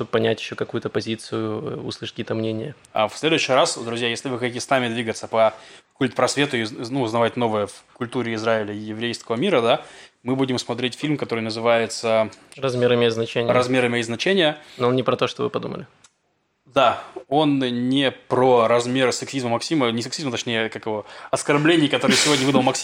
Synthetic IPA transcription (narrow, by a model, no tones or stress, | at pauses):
ʂt̪ob̚pːɐnʲætʲɪɕːokɐkujʊt̪əpɐzʲit̪sɨjʊṵslˠɨʂə̥tkʲijət̪əmnʲenʲɪjə | a̰fsʲlʲe̞d̪ʊʉɕːɪjɾasd̪ɾʊzʲjajesʲlʲɪvɨxɐtʲitʲɪsnamʲɪd̪vʲiɡət̪səpəkulʲt̪̚ʲpɾɐsvʲe̞t̪ʊɪnuʊznɐvatʲno̞vɨjəfkʊlʲt̪uɾʲɪɪzɾaɪlʲəjɪvɾʲejskəvəmʲiɾəd̪a | mɨbudʲɪmsmɐt̪ɾʲetʲfʲilʲmkɐt̪o̞ɾɨjnəzɨvajɪt̪sərɐzmʲeɾəmʲɪiznɐt͡ɕenʲɾɐzmʲeɾɨmʲɪiznɐt͡ɕenʲɪjənonnʲɪpɾɐt̪oʂt̪ovɨ̰pɐd̪ṵmə̰lʲɪ | d̪ao̞nnʲɪpɾoɾɐzmʲe̞ɾsɨksʲizməmɐksʲimənʲɪsɨksʲizmət̪ɐt͡ɕʲnʲejəkakɨvoɐskɐrblʲenʲɪjkɐt̪o̞ɾɨjsʲɪvo̞dʲnʲəvɨd̪əlˠmɐksʲ